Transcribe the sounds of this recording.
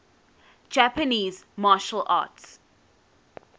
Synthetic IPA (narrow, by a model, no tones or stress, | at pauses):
d͡ʒæpəniːzmaːʃəla̰ːts